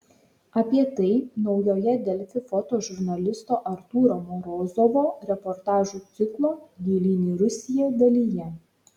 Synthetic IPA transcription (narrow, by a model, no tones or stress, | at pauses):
ɐpʲiɛt̪ɐɪnɒʊjoːjɛd̪ʲɛlʲfʲɪfɔt̪oːʒʊɾnɐlʲɪst̪oːʔɐɾt̪uːɾoːmɔɾoːzɔʋoːɾʲɛpɔɾt̪ɑːʒuːt̪sʲɪklˠoːɡ̪ʲiːlʲinʲiːɾʊsʲɪjɛd̪ɐlʲiːjɛ